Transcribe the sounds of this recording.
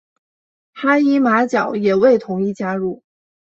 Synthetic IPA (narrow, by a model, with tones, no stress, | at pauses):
xa˥i˥ma˧˥t͡ɕjɑ˨˩˦ʊjɛ˨˩we˥˩ɪt̪ʰʊ˧˥ŋi˥˩t͡ɕja˥ɻu˥˩